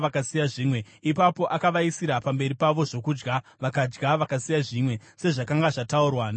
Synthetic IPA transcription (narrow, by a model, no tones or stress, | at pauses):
akasijaʐiːmwe̞ | ipapo̞ʔakaʋaisiɾapambe̞ɾipaʋo̞ʐo̞kud͡ʒɡa | ʋakad͡ʒɡaʋakasijaʐimwe̞ | se̞ʐakaŋɡaʐataurwan